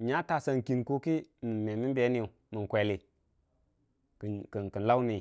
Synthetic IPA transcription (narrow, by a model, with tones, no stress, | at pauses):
ɲa˦ta˨sa˧nki˨nko˦ki˦mi˨me˨mi˦be˨˦ni˦u˨ | mi˨n˨kʷe˨li˨ | kki˨ki˨n˨la˦wni˨